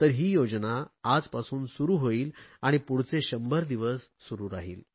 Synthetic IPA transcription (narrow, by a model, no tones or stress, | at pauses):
t̪əɾɦiːjod͡znaːd͡zpasuːnsuɾuːɦoiːlaɽ̃ipuɽ̤t͡seɕəmbəɾd̪iʋəsːuɾuːɾaɦiːl